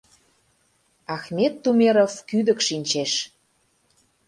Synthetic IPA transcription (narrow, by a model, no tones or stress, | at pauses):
ɑxmet̪ːumeɾofkyd̪ə̆kʃinʲt͡ɕeʃ